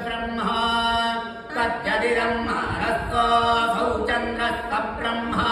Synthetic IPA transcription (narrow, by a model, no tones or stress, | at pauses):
bɾɐmːɐɦɐ | kɐt̪jɐd̪iɾɐmma̰ːɾɐt̪ːɐbʱɐɦut͡ʃɐnd̪ɾɐt̪ːɐbɾɐmːɐɦɐ